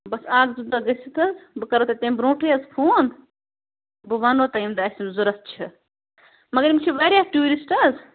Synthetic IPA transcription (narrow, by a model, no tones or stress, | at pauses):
bɐsaːɡzud̪aɡɐsit̪ɐzbɨkɐɾot̪ɐt̪ẽmbɾõːʈeɐzpʰuːn | bɨʋaːnoːt̪ɐimd̪ɐɐsʲinzuɾɐt̪̚t͡ʃʰi | mɐɡɐɾimt͡ʃʰiʋaːɾjaʈuːɾisʈɐz